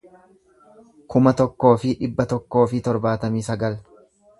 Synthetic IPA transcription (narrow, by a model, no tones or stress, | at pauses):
kʊmɐt̪ɔkːo̞ːfɪᶑɪbːɐt̪ɔkːo̞ːfɪt̪ɔɾbaːt̪ɐmiːsɐɡɐl